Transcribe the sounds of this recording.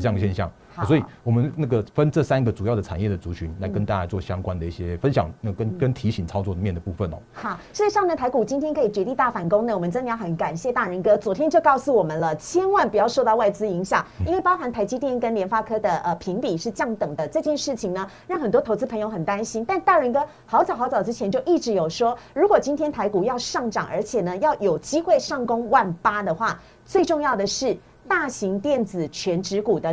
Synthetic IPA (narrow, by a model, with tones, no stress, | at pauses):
ŋɡə˩ɕjɛ˥˧nɕjɑ̰˥˩ŋ˩ | swɔ˧˥i˨˩wɔ˨˩mə˦nna˥˩ɡə˩fə˥nʈ͡ʂɤ˥˨sa˥˦nɡə˨t͡su˨˩jɑ˥˩ʊd̪ə˩t͡sʰa˨˩njɛ˥˩d̪ə˩t͡su˧˥t͡ɕʰy˧˦nla˧˥ɪkə˦nt̪a˥˧˩t͡ɕa˥t͡swɔ˥˨˩ɕjɑ˥ŋkwa˦nd̪ə˨i˥˩ɕjɛ˦fə˦nɕjɑ˨˩ŋna˨˩kə˥nkə˥˦nt̪ʰi˧˥ɕi˨˩ŋt͡sʰɑ˥ʊt͡swɔ˥˧˨mjɛ˥˩nd̪ə˩pu˥˧fə˥˨nɔ̰˦xɑ˨˩ʂɻ̩˥˩˧ʂɑ˥˧ŋnə˥˩t̪ʰa˧˥ɪku˨˩t͡ɕi˥nt̪ʰjɛ˥nkʰɤ˧˥i˨˩t͡ɕɥɛ˧˥t̪i˥˧t̪a˥˩fa˨˩nkʊ˥ŋnə˨wɔ˨mə˧˦nʈ͡ʂɤ˥nə˨˧jxə˧˥˦nka˨˩nɕjɛ˥˧t̪a˥˩ɻə˧˥nkɤ˥t͡swɔ˧˥t̪ʰjɛ˥nt͡ɕjo˥˧ʊkɑ˥˧ʊsu˥˩wɔ˨˩mə˦nlə˨t͡ɕʰjɛ˥nwa˥˩npu˨˩jɑ˥˧ʊʂo˥˧ʊt̪ɑ˥˧ʊwa˥˩ɪt͡sɹ̩˥i˧˥ŋɕjɑ˨˩ŋi˥nwe˥˩ɪpɑ˥ʊxa˧˥nt̪ʰa˧˥ɪt͡ɕi˥t̪jɛ˥˩nkə˥nljɛ˧˥nfa˥kʰɤ˥d̪ə˨ʔə˧˩pʰi˧˥ŋpi˨˩ʂɻ̩˥˧t͡ɕjɑ˥˩ŋt̪ɤ˨˩ŋd̪ə˦ʈ͡ʂɤ˥˧t͡ɕjɛ˥˧nʂɻ̩˥˩t͡ɕʰi˨˩ŋnə˩˦ɻɑ˥˩ŋxə˨˩nt̪wɔ˥t̪ʰo˧˥ʊt͡sɹ̩˥pʰŋjo˧˥ʊxə˨˩nt̪a˥nɕi˥nt̪a˥˧nt̪a˥˩ɻə˧˥nkɤ˥ | xɑ˧˥ʊt͡sɑ˨˩ʊxɑ˧˥t͡sɑ˨˩ʊʈ͡ʂɻ̩˥t͡ɕʰjɛ˧˥nt͡ɕjo˥˧ʊʔi˥˩ʈ͡ʂɻ̩˧˥jo˨˩ʊʂwɔ˥ɻu˧˥kwɔ˨˩t͡ɕi˥nt̪ʰjɛ˥nt̪ʰa˧˥ɪku˨˩jɑ˥˧ʊʂɑ˥˩ŋʈ͡ʂɑ̰˨˩ŋʔə̰˞˧˥t͡ɕʰjɛ˨˩nə˦jɑ˥˩ʊjo˨˩ʊt͡ɕi˥xwe˥˧ɪʂɑ˥˩ŋkʊ˥ŋwa˥˩npa˥d̪ə˨xwa˥˩ | t͡swe˥˧ɪʈ͡ʂʊ˥˧ŋjɑ˥˩ʊd̪ə˩ʂɻ̩˥˩ | t̪a˥˩ɕi˧˥ŋt̪jɛ˥˩nt͡sɹ̩˨˩t͡ɕʰɥɛ˧˥nʈ͡ʂɻ̩˧˥ku˨˩d̪ə˦